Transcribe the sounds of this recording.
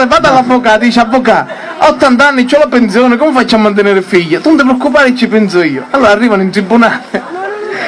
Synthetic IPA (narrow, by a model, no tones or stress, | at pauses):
ɪvaːt̪alːavːokad̪iːt͡ʃavːoka | aɔt̪ːant̪anːɪt͡ʃːɔlapensjoːnɪkɔmɪfat͡ʃːamːant̪̬ɪneːɾɪfiʎːat̪unt̪ɪp̬ɾeɔkːupaːɾɪt͡ʃːipɛnsʊiːʊalːoːɾarːiːvanʊint̪ɾibːunaːlɪ